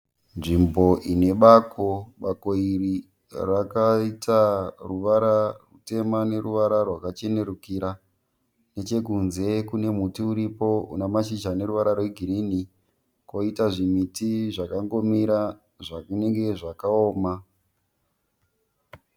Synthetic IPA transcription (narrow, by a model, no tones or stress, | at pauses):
nʐimbo̞ʔine̞ɓakoɓakoiri | rakaitaruʋaɾarute̞mane̞ruʋaɾarwakat͡ʃe̞ne̞ɾukiɾa | ne̞t͡ʃe̞kunze̞kune̞mutiuɾipo̞ṵnamaʃit͡ʃane̞ɾuʋaɾarwe̞ɡʱiɾini | ko̞itaʐimitiʐakaŋɡo̞miɾa | ʐakne̞ŋɡe̞ʐakaoːma